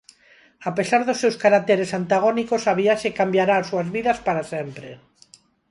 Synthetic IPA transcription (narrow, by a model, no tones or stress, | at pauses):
apesaɾðosːewskaɾat̪eɾesant̪aɣ̞onikosaβiaʃekambjaɾaːsuazβiðaspaɾasempɾe